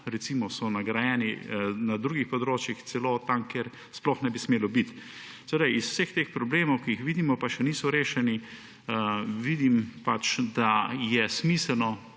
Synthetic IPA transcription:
ɾɛt̪siːmɔsɔnaɡɾajɛːninad̪ɾuːɡixpɔd̪ɾoːt͡ʃjixsɛlot̪amkɛɾ | splɔxnɛbismeːlɔbit̪ | sɛd̪ajisw̥sext̪eːxpɾɔbleːmɔwkiixʋiːd̪imɔpaʃɛniːsɔɾeːʃɛni | ʋid̪impat͡ʃd̪ajɛsmiːsəlnɔ

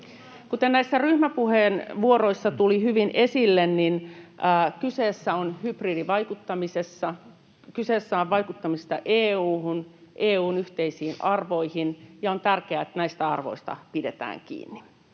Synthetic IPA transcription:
kut̪ennæisːæryhmæpuheːnʋuoɾo̞isːɑt̪ulihyʋinʔe̞silːenninː | kyseːsːæonhybriːdiʋɑjkut̪ːɑmisesːɑ | kyseːsːæoʋʋɑjkut̪ːɑmist̪ɑʔeːuːhunʔeːuːnyht̪eisiːnʔɑrʋo̞ihinjɑont̪ærkeæet̪ːnæist̪æɑrʋo̰ist̪ɑ̰pide̞t̪æ̰ːŋkḭːnːi

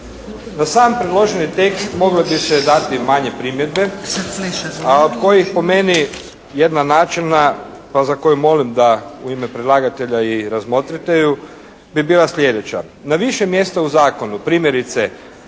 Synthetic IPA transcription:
nasaːmpɾed̪lˠo̞ʒenit̪e̞kst̪mo̞ɡlebised̪at̪imaɲe̞pɾiːmje̞d̪be̞ | aod̪ko̞jixpo̞me̞ni | je̞d̪nanaːt͡ʃina | pazako̞jumo̞limd̪auimepɾed̪lˠaɡat̪e̞ʎaiɾazmo̞t̪ɾit̪eju | bibiːlˠaslʎʲe̞d̪e̞t͡ɕa̰ | naʋiʃemje̞st̪auzaːko̞nupɾiːmjeɾit̪se

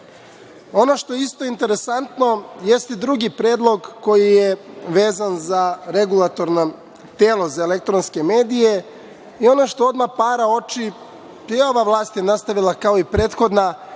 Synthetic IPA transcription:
o̞no̞ʃt̪ojeist̪o̞int̪eɾe̞sant̪no̞je̞st̪id̪ɾuɡipɾeːd̪lˠo̞ɡko̞jijeʋe̞ːzanzaɾe̞ɡulˠat̪o̞ɾno | t̪e̞ːlˠo̞zaelek̚t̪ɾonske̞me̞ːd̪ije | io̞noʃt̪o̞o̞d̪mapaːɾao̞t͡ʃi | peoʋaʋlˠaːst̪jenast̪aʋilakaoipɾe̞ːt̪xo̞d̪na

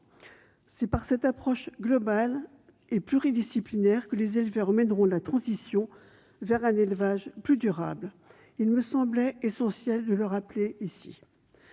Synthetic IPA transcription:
sɛpaʁsɛt̪apχɔʃɡlɔbal | eplyʁid̪isiplinɛʁkəlezelvɛʁəmɛnʁɔ̃lat̪χɑ̃zisjɔ̃ | vɛʁɛ̃nelvaʒplyd̪yʁa̰bl | ilməsɑ̃blɛesɑ̃sjɛld̪ələʁapleisḭ

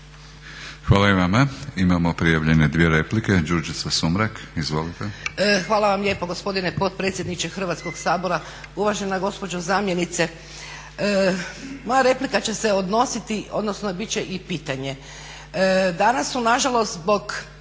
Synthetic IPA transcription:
xʋaːlaiʋamaimamopɾijaʋʎened̪ʋieɾepliked͡ʒuɾd͡ʒit̪sasumɾakizʋolit̪exʋaːlˠaʋamʎje̞ːpoɡospo̞d̪inepo̞t̪̚pɾe̞ːt̪sje̞d̪nit͡ʃexr̩ʋat̪sko̞ɡsaːbo̞ɾa | uʋaʒenaɡo̞spod͡ʒozaːmje̞nit̪se̞ | mojaɾe̞plikat͡ɕe̞se̞o̞d̪no̞sit̪io̞d̪nosnobit͡ʃe̞ʔipiːt̪aɲe̞ | d̪anasːunaʒalo̞st̪zbo̞ɡ

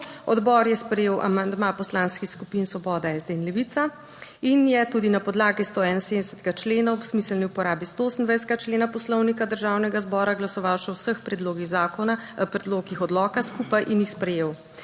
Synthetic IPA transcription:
ɔd̪bɔːɾjɛspɾɛjeːwʔa̰mand̪mapɔslaːnskixskupinsʋɔbɔːd̪ɛɛːzd̪einlɛʋit̪sa | injɛt̪ud̪inapɔd̪laːɡist̪oɛːnansed̪nɛsət̪ɛɡat͡ʃleːnaɔpsmislniupɔɾaːbist̪ooːsənd̪vʋajs̬t̪ɛɡat͡ʃleːnapɔslɔwnikad̪əɾʒaːwnɛɡazbɔːɾaɡlasɔʋawʃɛwsəxpɾɛd̪loːɡiɣzaːkɔnapɾɛd̪loːɡixɔd̪lɔːkaskupajʔinjixspɾɛjeːw

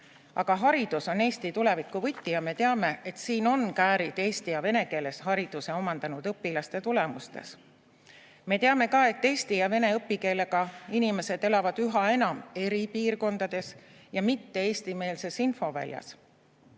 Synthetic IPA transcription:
ɑɡ̥ɑɦɑɾid̪̥uso̞ne̞ːst̪it̪ule̞vikːˑuvɤjt̪ːijɑme̞t̪e̞ɑme̞et̪siːno̞nkæːɾid̪̥e̞ːst̪ijɑve̞ne̞ke̞ːle̞shɑɾid̪̥use̞o̞mɑnd̪̥ɑnud̪̥ɤpːilɑst̪e̞t̪ule̞must̪e̞̰s | me̞t̪e̞ɑme̞kɑe̞t̪ːe̞ːst̪ijɑve̞ne̞ɤpːˑike̞ːle̞ɡ̥ɑinime̞se̞d̪̥e̞lɑvɑd̪̥yɦɑe̞nɑme̞ɾipiːrko̞nd̪̥ɑd̪̥e̞s | jɑmit̪ːe̞e̞ːst̪ime̞ːlse̞sinfo̞væ̰lʲjɑ̰s

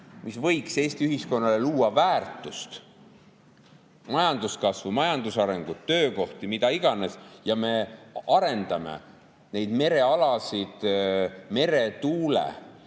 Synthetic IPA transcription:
misvɤ̞jkse̞ːst̪iyɦisko̞nːɑle̞luːɑvæːrt̪ːˑust̪ | mɑjɑnd̪̥uskɑsvumɑjɑnd̪usɑɾe̞ŋɡ̥ut̪ːø̞ːko̞ht̪imid̪ɑiɡ̥ɑne̞sjɑme̞ɑɾe̞nd̪̥ɑme̞̰ | ne̞jd̪̥me̞ɾe̞ɑlɑsid̪̥me̞ɾe̞t̪uːlḛ

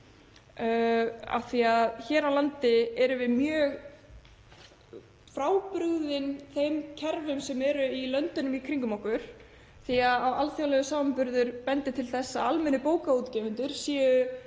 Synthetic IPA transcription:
a̰θiaðçɛːɾawlant̪ɪɛɾʏvɪðmjœːɣ | fɾaːwpɾʏɣðɪnθejmcʰɛɾvʏmsɛmɛɾʏilœnt̪ʏnʏmikʰɾiŋkʏmawkʏɾ̥ | θiaðawalθjawlɛɣʏsaːvampʏɾðʏɾ̥pɛnt̪ɪt̪ʰɪlθɛsːaalmɛnːʏpoːwkaut̪cɛːvʏnt̪ʏɾ̥sjɛːjʏ

